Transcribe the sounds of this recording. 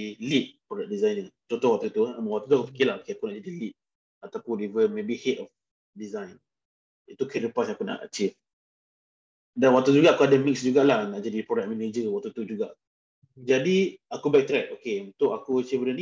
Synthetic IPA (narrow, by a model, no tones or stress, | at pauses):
lit̪̚pɾɔdak̚dizajnəŋt̪ot̪ɔwaʔ̚t̪ut̪umwaʔt̪ut̪uakupi̥kilaokeakunaʔd͡ʒadilit̪̚ | at̪apʊnivəmebihetɔf | dizajn | it̪ukedəpasj̃ãakuna̰ʔə̰t͡ʃif | danwaʔ̚t̪ud͡ʒuɡaʔakuadamiksd͡ʒuɡaʔlahnaʔd͡ʒadipɾɔdak̚mɛned͡ʒəwat̪ut̪ud͡ʒuɡaʔ | d͡ʒadiakubak̚t̪ɾɛk̚okeunt̪ʊʔakuat͡ʃifbədənĩ